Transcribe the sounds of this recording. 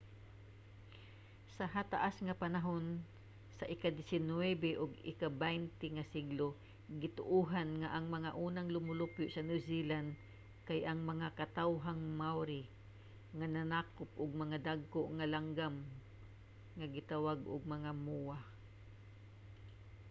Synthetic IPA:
sɐɦat̪aʔasŋɐpanaɦon | sɐʔɪkad̪ɪsɪnwɛbɛʔʊɡɪ̰kabɛjnt̪ɪŋasiɡlo | ɡɪt̪ʊʔuɦanŋaʔɐŋmɐŋaʔuːnaŋlʊmʊlʊpjʊʔsɐnʊsilan | kajʔɐŋmɐŋakɐt̪awɦaŋmawɾi | ŋananaːkʊp̚ʔʊɡ̚mɐŋad̪aɡ̚koʔŋalaŋɡam | ŋaɡɪt̪awaɡʊɡ̚mɐŋamua

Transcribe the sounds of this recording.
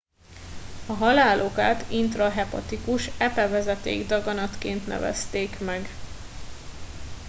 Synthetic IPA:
ɒɦɒlaːlʔokaːt̪int̪rɒɦɛpɒ̰t̪ikuʃɛpɛvɛzɛt̪ḛːɡd̪ɒɡɒnɒt̪keːnt̪nɛ̰vɛ̰st̪eːkmɛɡ

